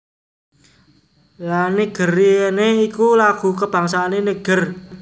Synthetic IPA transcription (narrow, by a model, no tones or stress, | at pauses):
laneɡ̥ərieneikulaɡ̥ṳkəb̥a̤ŋsaːnenəɡ̥ər